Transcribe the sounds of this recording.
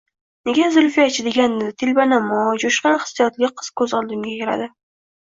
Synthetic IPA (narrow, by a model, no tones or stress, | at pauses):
ne̞ɡʲazʊlfijat͡ʃʰɪd̪e̞ɡʲand̪ɪt̪ʰɪlʲbanamɒd͡ʒoʃqɑnχɨ̥sːijɒt̪lʲɪqʰɨ̥z̥kʰɵzɒlˠd̪ɪmɡʲajeɾa̰d̪ɪ